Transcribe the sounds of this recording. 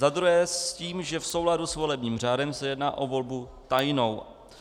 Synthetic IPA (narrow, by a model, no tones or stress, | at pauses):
zad̪ɾuɦɛːsciːmʒɛfso̞wladusvo̞lɛbɲiːmr̝aːdɛmsɛjɛdna̰ːʔo̞vo̞lbut̪ajno̞w